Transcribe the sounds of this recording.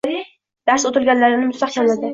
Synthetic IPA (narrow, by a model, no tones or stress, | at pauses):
d̪̥aɾsot̪ɪlɡʲanlaɾɪnɪmʊst̪aχkʲanlad̪ɪ